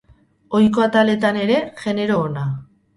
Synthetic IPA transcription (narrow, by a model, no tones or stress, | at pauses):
o̞jko̞at̪ale̞t̪ane̞ɾe̞ɣe̞ne̞ɾo̞ːna